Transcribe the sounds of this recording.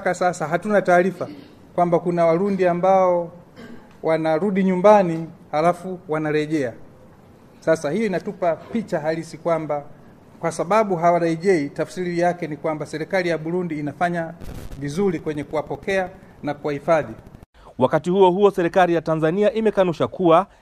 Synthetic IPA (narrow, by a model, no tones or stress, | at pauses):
kasasaɦatunataːɾifa | kwambakunawaɾundiambaɔ | wanaɾuɗiɲumbanihalafuwanaɾɛʄɛa | sasahijɔinatupapit͡ʃaɦalisikwamba | kwasaɓaɓuɦawaɾaiʄɛitafsiɾiijakɛnikwambasɛɾikalijaɓuɾundiːnafaɲavizuɾikwɛɲɛkuwapɔkɛa | nakuwahifaði | wakatihuɔhuɔsɛɾikalijatanzaniaʔimɛkanuʃakua